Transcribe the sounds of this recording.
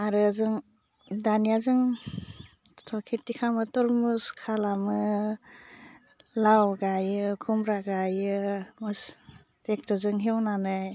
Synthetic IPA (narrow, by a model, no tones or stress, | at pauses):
aɾɯzɯŋ | danijazɯŋ | tʰɔkʰitːikʰamɯtɔlmuskʰalamɯ | lawɡajɯkʰumɾaɡajɯmɯs | tek̚tɔzɯŋɦewnanɯ